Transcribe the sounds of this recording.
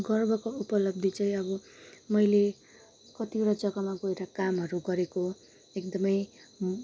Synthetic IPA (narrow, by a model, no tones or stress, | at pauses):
ɡʌrbʱʌkoupʌlʌb̚d̪ʱit͡sʌ̃ĩʌbʌmʌjle | kʌt̪iɾʌd͡zʌɡʌmaɡʌeɾakamɦʌɾuɡʌɾeko | ekd̪ʌmʌj